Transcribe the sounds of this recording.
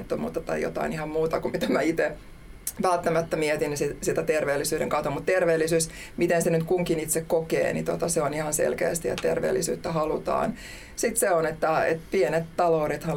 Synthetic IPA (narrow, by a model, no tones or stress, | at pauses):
t̪ːomṵːt̪ːɑt̪ɑijjo̰t̪ɑ̰inihɑmmuːt̪ɑkumit̪æmæit̪e | ʋælt̪ːæmæt̪ːæmiɛt̪insisit̪æt̪erʋeːlːisyːɾḛŋkɑut̪ːɑmut̪t̪erʋeːlːisyːs | mit̪ensenyt̪kuŋkinit̪sekkokḛːnit̪ot̪ɑseonihɑnsḛlkḛːst̪ijɑ̰t̪erʋḛːlːisy̰ːt̪ːæhɑlut̪ɑ̰ːn | sit̪seonet̪ːæḛt̪pienet̪t̪ɑloːɾet̪hɑ